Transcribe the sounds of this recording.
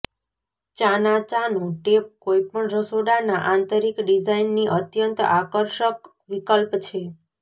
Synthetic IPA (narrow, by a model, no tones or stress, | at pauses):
t͡ʃanat͡ʃanũʈep̚kojpəɳɾəsoɖanaʔant̪əɾikɖid͡ʒainːiʔət̪jənt̪akəɾʃək | ʋikəlpt͡ʃʰe